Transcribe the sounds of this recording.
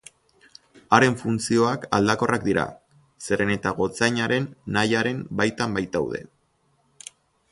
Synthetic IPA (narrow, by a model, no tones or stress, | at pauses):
aɾe̞ɱfunt͡sio̞aka̰ld̪ako̞rʔak̚d̪iɾa̰ | se̞ɾe̞ne̞t̪aɣ̞o̞t͡sajɲaɾe̞nːajaɾe̞mbajt̪ambajt̪awðe̞̰